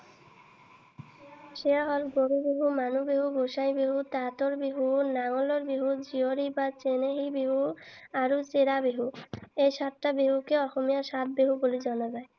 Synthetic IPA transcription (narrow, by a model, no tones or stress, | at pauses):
ʃeaɦɔlɡoɾubeɦumanubeɦuɡoʃajbeɦut̪at̪oɾbeɦunaŋoloɾbeɦud͡ʑioɾibat͡ɕeneɦibeɦuaɾut͡ɕeɾabeɦuejʃat̪ʈabeɦukeɔxomijaʃat̪̚beɦubolid͡ʑɔnazae